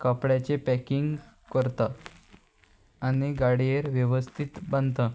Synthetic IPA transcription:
kəpɽjat͡ɕepɛkiŋɡ | kəɾt̪a | aniɡaɽijeɾʋjəʋəst̪ʰit̪bənt̪ə

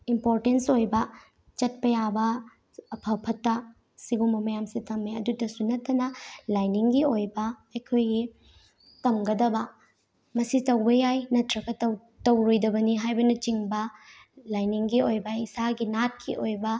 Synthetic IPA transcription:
impoɾtensojbɐ | t͡ʃɐt̚pɐjabɐ | ɐpʰɐpʰɐtːɐ | siɡumbɐmɐjamsitɐmːeɐdudɐsunɐtːɐnɐlajniŋɡiojbɐːjkʰojɡi | tɐmɡɐdɐbɐ | mɐsitɐwbɐjajnɐtɾɐɡɐtɐw | tɐwɾojdɐbɐniɦajbɐnɐt͡ʃiŋbɐ | lajniŋɡiojbɐisaɡinat̚kʰiʔojbɐ

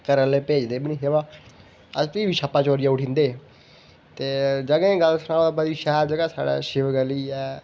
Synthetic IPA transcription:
kəɾəlepeːd͡ʒd̪eːbɪñĩːɦeʋãː | əst̪iːbiːʃʰəpːaːt͡ʃoːɾɪjãʊʈʰĩːnd̪eː | t̪eːd͡ʒəɡẽːɡəlsnaːbəd̪iːʃɛːɾd͡ʒəɡaːsa̰ːɽa̰ːʃɪʋɡəliːɛː

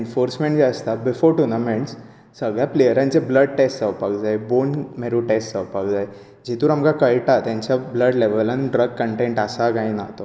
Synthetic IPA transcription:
enfoɾsmẽɳʈd͡ʑeəst̪abɪfoɾʈunəmẽɳs | səɡɭjaplejəɾãnt͡sebləɖ̚ʈesʈsəʋpakd͡zajbonmeɾuʈesʈsəʋpakd͡zaj | d͡ʑit̪uːɾamkakəɭʈat̪jãɲt͡ɕabləɖleʋəlaniɖɾəɡ̚kəɳʈẽɳʈəsakaĩnat̪o

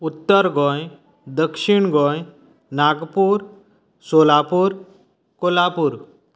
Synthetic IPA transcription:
ut̪ːəɾɡʱɔ̃j | d̪əkʂiɳɡʱɔ̃j | naɡpuɾ | solapuɾ | kolapuːɾ

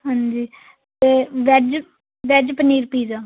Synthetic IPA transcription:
ɦãːɲd͡ʒiː | t̪eːʋɛd͡ʒ | ʋɛd͡ʒpəniːɾpiːd͡ʒaː

